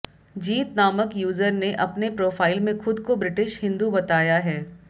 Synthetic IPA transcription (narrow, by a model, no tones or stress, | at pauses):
d͡ʒiːt̪naːməkjuːzəɾneʔɐpnepɾoːfaːɪlmẽxʊd̪kobɾɪʈɪʃhɪ̃nd̪ubɐt̪aːjaɦɛː